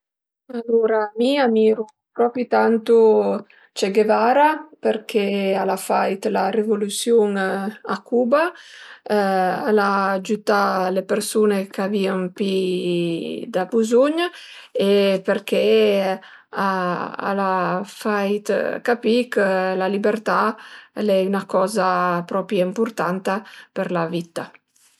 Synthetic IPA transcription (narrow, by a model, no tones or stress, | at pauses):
aluɾamiamiːɾu | pɾɔpit̪ant̪u | t͡ʃeɡevaɾapeɾkʰealafajt̪larevolusjoŋakuːba | alad͡ʒut̪alepeɾsuːnekʰaviːaŋpi | d̪abuzuɲepeɾkʰe | aa̰lafajt̪kapikəlalibeɾt̪alɛynakɔzapɾɔpɾjaimpuɾt̪ant̪apəɾlavit̪a